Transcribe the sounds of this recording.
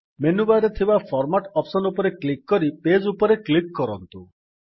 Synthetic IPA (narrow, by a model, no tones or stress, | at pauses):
menubaɾet̪ʰibapʰɔɾmaʈɔpsɔnupɔɾeklik̚ːɔɾiped͡ʒupɔɾeklikːɔɾɔnt̪u